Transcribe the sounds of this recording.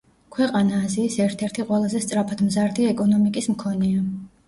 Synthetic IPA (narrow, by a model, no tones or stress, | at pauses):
kʰwɛqʼanaːziːsɛɾt̪ʰɛɾt̪ʰiqʼwɛlˠazɛst̪sʼɾapʰad̪mzaɾd̪iɛkʼɔnɔmikʼismkʰɔnɛa